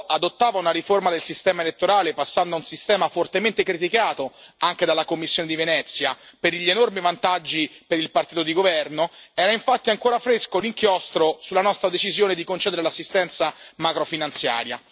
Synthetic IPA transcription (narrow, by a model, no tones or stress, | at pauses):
ad̪ot̪ːaːvaunaɾiformad̪elsist̪ɛːmaelet̪ːoɾaːlepasːand̪aunsist̪ɛːmafort̪ement̪ekɾit̪ikaːt̪oaŋk̟ed̪alːakomːisːjoːned̪ivenɛt̪sːjapeɾʎːienormivant̪ad͡ʒːipeɾilpart̪iːt̪od̪iɡovɛrnoɛːɾaiɱfat̪ːiaŋkoːɾafɾeskoliŋkjɔst̪ɾosulːanɔst̪ɾad̪et͡ʃizjoːned̪ikont͡ʃɛːd̪eɾelasːist̪ɛnt̪samakɾofinant̪sja̰ːɾja̰